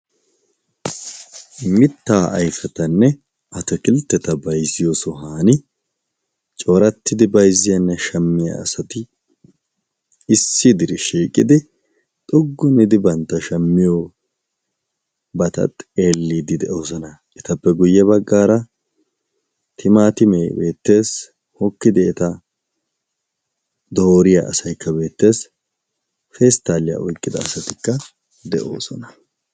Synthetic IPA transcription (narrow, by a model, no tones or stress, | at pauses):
mɪt̪ːaːʔɐ̰jfɛt̪ɐnːɛ | ʔɐt̪ɛkɪlt̪ːɛt̪ɐbɐjzɪjoːsɔɦaːnɪ | t͡ʃʼo̞ːɾɐt̪ːɪd̪ɪbɐjzɪjɐnːɛʃɐmːɪjɐ̰ːsɐt̪ɪ | sːɪd̪ɪɾɪʃiːkʼːɪd̪ɪ | t̪ʼʊɡːʊnɪd̪ɪbɐnt̪ːɐʃɐmːɪjo | bɐt̪ɐ̰t̪ʼeːlːiːd̪ɪd̪ɛʔo̞ːsɔnɐ | ʔɛt̪ɐpːɛɡʊjːɛβɐɡːaːɾɐ | t̪ʰɪmaːt̪ɪmeːbe̞ːt̪ːe̞ːs | hɔkːɪd̪ɪɛt̪ɐ | d̪oːɾɪja̰ʔɐsɐjkːɐbe̞ːt̪ːe̞ːs | fɛːst̪ːaːlɪjɐ̰ʔɔjkʼːɪd̪ɐ̰ːsɐt̪ɪkːɐ | d̪ɛʔo̞̰ːsɔnɐ̥